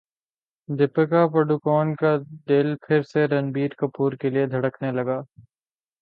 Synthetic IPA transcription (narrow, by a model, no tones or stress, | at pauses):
d̪ʱɪpəkapɐɖukɔːnkad̪eːlpʰɪɾseɾɐnbiːɾkɐpuːɾkelied̪ʱɐɽəknelɐɡaː